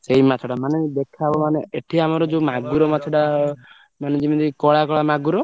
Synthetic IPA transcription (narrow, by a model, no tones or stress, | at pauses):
seimat̪ʰɔɽamaned̪ekʰabɔmaneeʈʰiamaɾɔd͡ʒomaɡuɾɔmatʰɔɽa | maned͡ʒimid̪ikɔɭakɔɭamaɡuɾɔ